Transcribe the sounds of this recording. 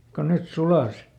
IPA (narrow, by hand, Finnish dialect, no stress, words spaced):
kon net sulɑˑs